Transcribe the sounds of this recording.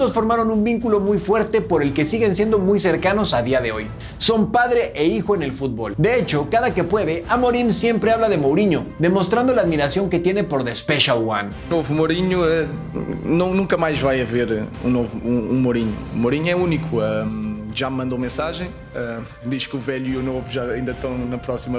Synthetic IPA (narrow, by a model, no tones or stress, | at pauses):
osfo̞ɾmaɾo̞nũmbiŋkulo̞mujfwe̞ɾt̪e̞po̞ɾe̞lke̞siɣe̞ns̬je̞nd̪o̞mujse̞ɾkano̞saðiaðe̞o̞j | so̞mpaðɾe̞ʔeixoene̞lfut̪̚bo̰ld̪e̞et͡ʃo̞kaðake̞pwe̞ðe̞ʔamo̞ɾinsje̞mpɾe̞aβlaðe̞mowɾiɲoðe̞most̪ɾand̪o̞laːðmiɾasjo̞ŋke̞t̪je̞nepo̞ɾðespe̞ʃawa̰n | novumoɾiɲuɛ | nɐ̃w̃nũkɐmajʒvajɐveɾṵ̃novuũũmoɾiɲṵːmoɾiɲuɛunikuaʒammɐ̃nd̪omẽsaʒẽj̃ | a | d̪iʃkuvɛʎuiunovuʒaɐĩnd̪ɐt̪ɐ̃w̃nɐpɾɔsimɐ